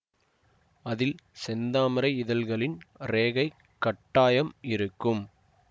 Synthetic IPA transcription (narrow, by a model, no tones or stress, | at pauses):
ɐðɪlsɛnd̪aːmɪɾɐɪɪðɐlɣɐɭɪnɾeːɣɐɪ | kːɐʈːaːjɐmɪɾɯkːɯm